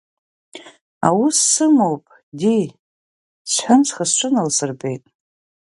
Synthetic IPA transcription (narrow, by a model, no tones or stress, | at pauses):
awusːɨmowpʼ | di | sħansʰχasʈ͡ʂʷʰɨnalsɨrbejtʼ